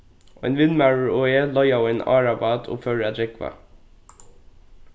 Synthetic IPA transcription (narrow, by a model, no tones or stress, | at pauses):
ʔoːḛːnʋɪnmæɹəɹoeːlɔjɑːʋeːnɑ̰ːɹɑbɑt̪ʰo̰ːføːɖəæd̪ɹɛkʋɑ̰